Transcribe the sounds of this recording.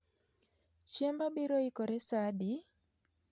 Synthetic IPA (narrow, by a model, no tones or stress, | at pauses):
t͡ʃɛmbabiɾoikɔɾɛsadi